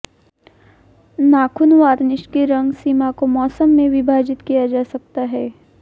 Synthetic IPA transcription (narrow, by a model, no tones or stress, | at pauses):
naːkʰʊnʋaːɾnɪʃkeɾɐ̃ŋɡsimakomɔːsəmːẽʋɪbʱaːd͡ʒɪt̪kijad͡ʒaːsɐk̚t̪aɦɛː